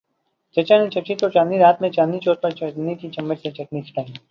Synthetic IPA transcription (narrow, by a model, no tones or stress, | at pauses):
t͡ʃɐt͡ʃanit͡ʃɐt͡ʃʰit̪ot͡ʃaːniɾaːt̪mẽt͡ʃaːnit͡ʃoːɾpɐɾt͡ʃɐnikit͡ʃɐmːəʈset͡ʃɐknikʰɪ̥ʈ̪aːɦi